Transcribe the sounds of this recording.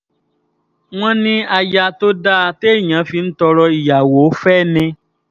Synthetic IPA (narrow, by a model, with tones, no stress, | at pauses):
w̃ɔ̃˦nĩ˦a˨ja˧t̪o˦da˦˨te˦˨ɲã˨˦fi˧˦n̩˦tɔ˧ɾɔ˧i˨ja˨wo˨˦fɛ˦˨nɛ̃˧